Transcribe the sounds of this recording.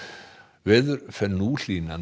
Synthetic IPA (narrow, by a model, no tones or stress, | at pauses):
vɛːðʏɾfɛnuːl̥iːnan